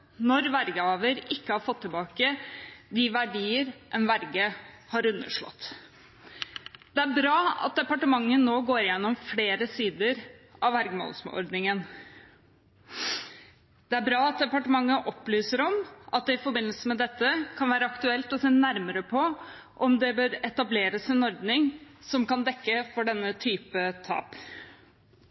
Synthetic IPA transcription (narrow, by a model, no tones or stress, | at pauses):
nɔɾʋæɾɡəɑːʋəɾɪkːəhɑɾfɔt̪ʰːɪbɑːkəd̪ɪʋæɖiːəɾʔɛnʋæɾɡəhɑɾʉnːə̰ʂɭɔ̰t̪ː | d̪̥ɛæɾbɾɑːɑ̰t̪̚d̪ɛpɑʈəmɑŋːənoːɡoːɾɪjɛnːɔmfleːɾəsiːd̪əɾʔɑʋʋæɾɡəmo̰ːlsmɔ̰ɾd̪nɪŋən | d̪̥ɛæɾbɾɑːɑt̪̚d̪ɛpɑʈəmɑŋːəʔɔplyːsəɾɔmʔɑt̪̚d̪ɛɪfɔɾbɪnːəlsəmɛd̪ɛt̪ːəkʰɑnʋæːɾəɑkt̪ʉɛlt̪ɔseːnæɾməɾəpʰɔ | ʔɔmd̪ɛbøːɾɛt̪ɑbleːɾəsɪnɔɾd̪nɪŋsɔmkɑnd̪ɛkːəfɔɖɛnːət̪ʰyːpət̪ʰɑ̰ːp